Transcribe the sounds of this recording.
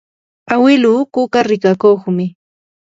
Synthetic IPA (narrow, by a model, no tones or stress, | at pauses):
awɪluːkʊkaɾɪkakoχmɪ